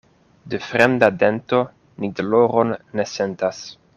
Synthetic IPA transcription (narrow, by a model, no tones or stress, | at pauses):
defɾemd̪ade̞nto̞ | nidloɾonːesentas